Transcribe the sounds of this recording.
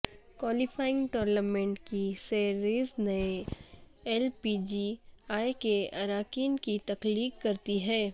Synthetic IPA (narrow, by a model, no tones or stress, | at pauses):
kwaːlɪfaːɪ̃ŋɡʈɔːɾnəmẽɳʈkiseːɾeːznɐe | ɛlpid͡ʒiaːekeɐɾaːkiːnkit̪ɐkliːkkːɐɾt̪iɦɛː